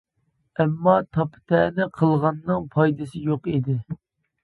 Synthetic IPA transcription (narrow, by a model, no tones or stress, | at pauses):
ɛmːɑt̪ʰɑpʰɨ̥t̪ʰɛnɪqʰəlˠʁɑnːɨŋpʰɑjd̪ɨsɨjoqid̪ɪ